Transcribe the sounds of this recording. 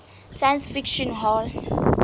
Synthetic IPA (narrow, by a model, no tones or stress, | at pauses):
saj̃nsfikʃɔ̃nɦɔl